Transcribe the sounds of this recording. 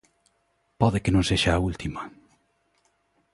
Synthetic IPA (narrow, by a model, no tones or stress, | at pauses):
pɔðekenõŋseʃaːult̪ima